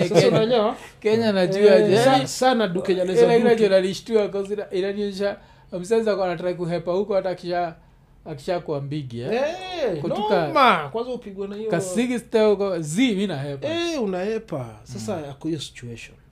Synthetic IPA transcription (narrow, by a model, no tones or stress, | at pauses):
aaɲawakɛɲanad͡ʒuad͡ʒɛjanisanaɗukɛɲanɛalakinad͡ʒɔnaliʃtuak̬ɔziaʔiɾaniɛʃaː | m̩sazakanatɾaikuɦɛpahukɔhatakiʃaː | ki̥ʃakuambiɡiɛɛkɔtukamakwanzaupiɡwanaikasiɡistɛkaziminaɦɛpɛunahɛpa̰sasaakɔjɔsi̥t͡ʃuɛʃɔn